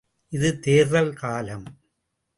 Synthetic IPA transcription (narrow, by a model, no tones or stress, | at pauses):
ʔɪðɯt̪eːɾɐlkaːlɐm